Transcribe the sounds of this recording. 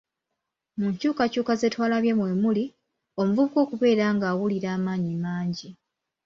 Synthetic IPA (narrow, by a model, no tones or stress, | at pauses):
muɲcuːkacuːkaze̞ːtwaːlaβje̞mwe̞ːmuli | o̞muvuβuko̞ːkuβe̞ːɾaːŋɡaːwuliɾaːmaːɲimaːɲɟi